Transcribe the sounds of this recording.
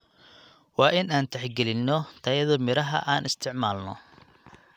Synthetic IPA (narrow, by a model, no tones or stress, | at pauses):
wɑːʔɪnaːnt̪ʰɛħɡɛlɪnːɔt̪ʰɐjɐðɔmɪɾɐɦɐ̰ʔaːnɪst̪ʰɪʕmaːlnɔ̰